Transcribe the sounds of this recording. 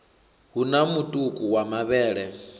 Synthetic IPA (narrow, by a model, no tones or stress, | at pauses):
ɦunamutʼukʼuwamaβɛːɺɛ